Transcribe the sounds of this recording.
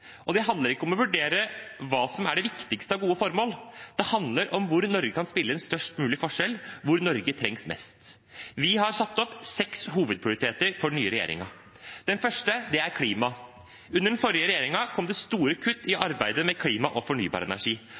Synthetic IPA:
ʔɔd̪ɛɦɑnd̪ləɾɪkːəɔmɔʋʉɖeːɾəʋɑːsɔmæɖɛʋɪkt̪ɪkst̪əɑʋɡuːəfɔɾmoːld̪̥ɛhɑnd̪ləɾʔɔmʋʊɾnɔɾɡəkɑnspɪlːəɛnst̪œʂʈmʉːlɪfɔʂɛlʋʊɾnɔɾɡət̪ʰɾɛŋsmɛ̰st̪ | ʋɪɦɑɾsɑt̪ːɔpːsɛkshuːʋəd̪̚pʰɾɪʊɾɪt̪ʰeːt̪əɾfɔnyːəɾɛjḛːɾɪ̰ŋɑ | d̪̥ɛnfœʂʈəd̪ɛæɾkʰliːmɑ | ʉnːəɾɖnfɔɾɪəɾɛjeːɾɪŋɑkʰɔmd̪ɛst̪uːɾəkʰʉt̪ːɪʔɑɾbæɪd̪əmɛkʰliːmɑʔɔfɔɳy̰ːbɑ̰ɾəɛ̰næ̰ʂiː

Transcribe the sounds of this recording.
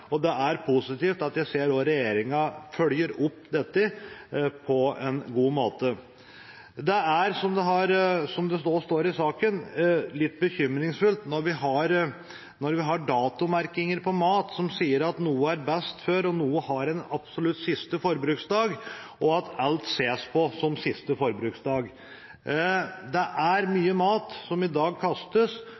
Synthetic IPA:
ɔd̪ɛʔæɾpʰʊsɪt̪iːft̪ɑt̪jæɪseːɾoːɾɛjeːɾɪŋɑfœljəɾʊpːd̪ɛt̪ːɪ | pʰɔɛnɡuːmoːt̪ə | d̪ɛæɾsɔmd̪ɛɦɑɾsɔmd̪ɛst̪oːst̪oːɾɪsɑːkənlɪt̪ːbəçʏmɾɪŋsfʉlt̪nɔɾʋɪɦɑɾ | nɔɾʋɪɦɑɖɑːt̪ʊmæɾkɪŋəɾpʰɔmɑːt̪sɔmsiːəɾɑt̪nuːəæɾbɛst̪føːɾɔnuːəhɑɾɛnɑb̥sɔlʉt̪sɪst̪əfɔɾbɾʉːksd̪ɑːɡɔɑt̪ɑlt̪seːspʰɔsɔmsɪst̪əfɔɾbɾʉːksd̪ɑːɡ | d̪ɛʔæɾmyːəmɑːt̪sɔmɪd̪ɑːɡ̚kʰɑst̪əs

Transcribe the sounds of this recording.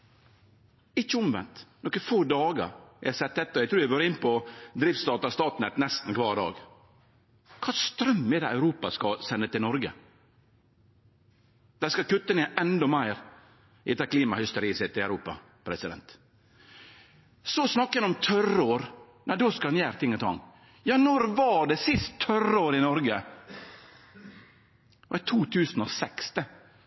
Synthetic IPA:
ɪt͡ʃːəɔmʋɛ̰nt̪nɔkəfoːd̪ɑːɡə̰ɾjɛ̰hsɛt̪̚d̪ɛt̪ːəɔjæɡt̪ʰɾʉːʋæʋoøːɾɪnːpɔd̪ɾiːft̪st̪ɑːt̪ɑst̪ɑːt̪nɛt̪nɛst̪n̩kʰʋɑːɾd̪ɑ̰ːɡ | kʰɑːst̪ɾœmːɛd̪ɛæʉɾuːpɑskɑsɛnːət̪ʰɪlnɔɾɡə | d̪̥æskɑkʉt̪ːəneːʔɛnd̪ɔmæɪɾ | ɪ̰t̪ɑkʰliːmɑhʏst̪əɾiːsɛt̪ːɪlæʉɾuːpɑ̰ | pʰɾɛsɪd̪ɛ̰nt̪ | sɔsnɑkːəɛnɔmt̪ʰœɾoːɾ | næɪd̪oːskɑɑnjæːɾt̪ʰɪŋːɔt̪ʰɑ̰ŋ | jɑːnɔɾʋɑɖɛsɪst̪ʰːœɾoːɾɪnɔɾɡə | ɔɛt̪ʰuːt̪ʰʉːsnɔsɛkst̪ə

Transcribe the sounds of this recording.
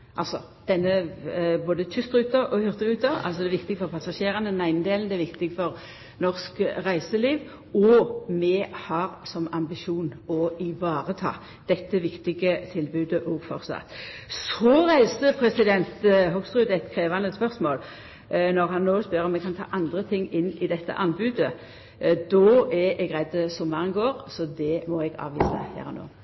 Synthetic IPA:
ʔɑ̰lsɔ̰ | d̪̥ɛnːəboːd̪ət̪ʰʏst̪ɾʉːt̪əʁɔhʏʁt̪əʁʉːt̪əʁɑ̰lsɔd̪ɛːʋɪkt̪ɪɡəfɔʁpʰɑsɑʃeːʁənəd̪n̩æɪnnəd̪eːln̩d̪ɛæʋɪkt̪ɪɡfɔʁ | nɔʁskʁæɪsəliːʋ | ɔmɛhɑʁsɔmɑmbɪʃuːnɔɪʋɑːʁət̪ʰɑ̰ː | d̪̥ɛt̪ːəʋɪkt̪ɪɡət̪ʰɪlbʉːd̪əʔɔɡfɔɾsɑ̰t̪sɔɾæɪsəpʰɾɛsɪd̪ɛnt̪ɦɔɡst̪ʁʉːd̪ɛt̪kʰɾeːʋɑnəspœʁsmoːl | nɔʁɦɑnːoːspœɾɔmɛkʰɑnt̪ʰɑ̰ːʔɑnd̪ɾət̪ʰɪŋːɪnːɪd̪ɛt̪ːə̰ʔɑnbʉːd̪ə | d̪ɔɛʔɛɡʁæɪd̪əsɔmːɑʁənɡoːʁsɔd̪ɛmɔɛɡɑ̰ːʋḭːsɑ̰hæ̰ːɾɔno̰ː

